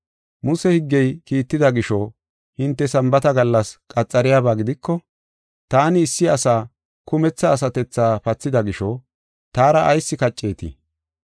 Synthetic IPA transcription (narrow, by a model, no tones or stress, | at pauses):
mʊsɛhɪɡːɛjkiːt̪ːɪd̪ɐɡɪʃɔ | hɪnt̪ːɛsɐmbɐt̪ɐɡɐlːɐskʼɐt͡sʼːɐɾɪjaːβaːɡɪd̪ɪkːɔ | t̪aːnɪːsːɪɐsaː | kʊmɛt͡sːɐːsɐt̪ɛt͡sːaːpɐt͡sːɪd̪ɐɡɪʃɔ | t̪aːɾɐʔɐjsːɪkɐt͡ʃʼːe̞ːt̪ɪ̰